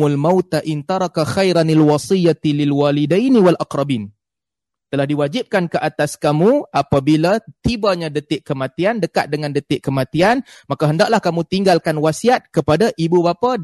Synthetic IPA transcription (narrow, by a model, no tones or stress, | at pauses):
ulmawt̪aʔɪnt̪ɑɾˤɑkaxajɾanɪlwɑsijːat̪ilɪlwalidajniwalʔaqɾˤɑbiːn | t̪əlahdiwad͡ʒɪp̚kankəʔat̪askamũʔapabilat̪ibaɲãdət̪ɪʔkːəmãt̪iandəkat̪̚dəŋandət̪ɪʔkəmãt̪ianmakaɦəndaʔlahkamũt̪iŋɡalkanwasiat̪̚kəpadaʔibubapa